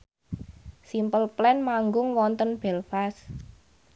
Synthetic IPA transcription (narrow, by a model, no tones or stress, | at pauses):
simpəlplɛnmaŋɡʊŋwɔnt̪ənb̥ɛlfas